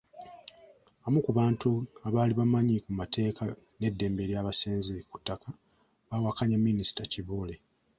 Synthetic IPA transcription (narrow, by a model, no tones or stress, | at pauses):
amukuβaːntuaβaːliβamaɲikumatʰe̞ːka | ne̞dːe̞ːmbeɾjaːβaseːnzeku̥tːaka | βawakaɲamːinisi̥taciβuːle